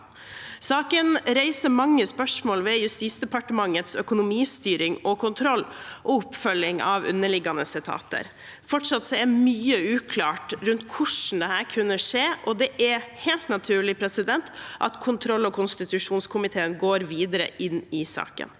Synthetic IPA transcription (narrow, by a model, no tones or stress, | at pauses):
sɑːkənɾæɪsəmɑŋːəspœʂmoːlʋɛjʉst̪iːt̪sd̪ɛpɑʈəmɑŋːət̪sœkʊnʊmiːst̪yːɾɪŋɔkʰʊnt̪ʰɾɔlːʔɔʊpːfœlːɪŋʔɑ̰ʋʉ̰nːəɭɪɡːɑnəsɪt̪ʰɑ̰ːt̪ʰə̰ɾ | fɔʈʂɑt̪sɔæɾmyːəʉːkʰlɑːʈɾʉnt̪kʰʊʂn̩d̪ɛhæːɾkʰʉnːəʂeːʔɔd̪ɛʔæɾheːlt̪nɑt̪ʰʉːɭɪpʰɾɛsɪd̪ɛnt̪ʔɑ̰t̪kʰʊnt̪ʰɾɔlːɔkʰʊnst̪ɪt̪ʉʂuːnskʰʊmɪt̪ʰeːənɡoːɾʋiːd̪əɾə̰ʔɪnːɪsɑ̰ːkə̰n